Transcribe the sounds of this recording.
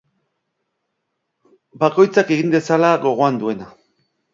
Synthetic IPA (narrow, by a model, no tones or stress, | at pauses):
bako̞jt͡sake̞ɣind̪e̞salaɣo̞ɣ̞o̞and̪ue̞na